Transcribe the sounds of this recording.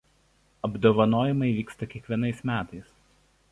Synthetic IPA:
ɐbd̪oːʋɐnoːjɪmɐɪʋʲiːkst̪ɐkʲiɛkʋʲiɛnɐɪsmʲæːt̪ɐɪs

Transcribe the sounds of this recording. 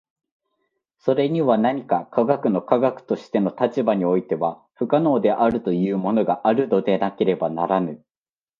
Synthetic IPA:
so̞ɾe̞ɲ̟iβanaɲ̟ikakʰaɡakɯ̟no̞kaɡakɯ̟̥t̪o̞ɕi̥t̪e̞no̞t̪at͡ɕibaɲ̟io̞it̪e̞βa | ɸɯ̟kano̞ːd̪e̞ʔaɾɯ̟t̪o̞jɯ̟ːmo̞no̞ɡaʔaɾɯ̟d̪o̞d̪e̞nake̞ɾe̞banaɾanɯ̟

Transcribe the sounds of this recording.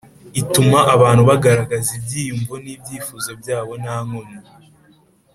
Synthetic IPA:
itumaʔaβaːn̥huβaɡaɾaɡazibɟiːjuɱvunibɟiːfuːzo̞bjaːβo̞naŋono

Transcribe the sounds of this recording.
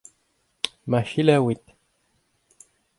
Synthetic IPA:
maʃilawit̪

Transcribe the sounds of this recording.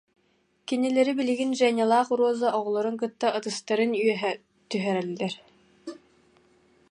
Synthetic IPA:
kinilɛɾibiliɡinʒɛnʲalˠaːχuɾuɔzaʔɔʁɔlˠɔɾɯŋk̬ɯt̪ːaʔɯt̪ɯst̪aɾɯnyœɦɛ | t̪yɦœɾɛlːɛɾ

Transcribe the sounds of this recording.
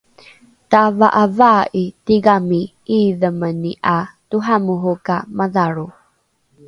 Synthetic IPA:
tava̰ʔavaːʔitiɡami | iðəməniʔatuɦamuɦukamaðaɾu

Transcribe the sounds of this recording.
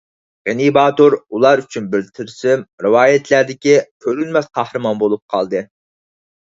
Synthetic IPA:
ʁenibɑːt̪oɾulˠɑɾyt͡ʃʰynbɪɾt̪ʰɪɾsɪmɾɨwɑːjɛt̪ʰlæɾd̪ɪkʲikʲʰøɾynmɛsqʰɑhɾɨmɑnbolˠup̚qʰɑ̰lˠd̪ɨ

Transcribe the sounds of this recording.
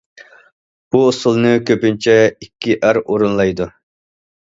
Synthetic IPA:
b̥uosɨlˠnɨkʲʰøpynt͡ʃʰɛikʲʰːiʔæɾoɾunlˠɑjd̪u

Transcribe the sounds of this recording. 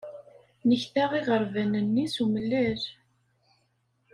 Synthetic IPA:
nəçθaʁiʁəɾˤvænənːisuməlːæɾ

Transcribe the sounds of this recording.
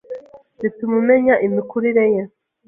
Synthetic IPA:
zitumumeɲaʔimikuɾiɾeje

